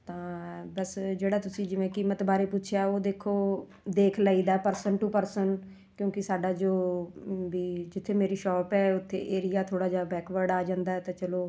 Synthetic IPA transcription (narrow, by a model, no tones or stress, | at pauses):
t̪ãːbəsd͡ʒeːɽaːt̪ʊsĩːd͡ʒɪʋẽːkiːmːət̪baːɾeːpuːt͡ʃʰjaːoːd̪eːkʰːoː | d̪eːkʰlaːiːd̪aːpəɾsənʈuːpəɾsən | kjõːkɪsaːɖaːd͡ʒoːbiːd͡ʒɪt̪ʰːeːmeːɾiːʃɔːpɛːʊt̪ʰːḛːʔeːɾɪjaːt̪ʰoːɽaːd͡ʒaːbɛːkʋəɾɖaːd͡ʒãːnd̪aːɛːt̪ãːt͡ʃəloː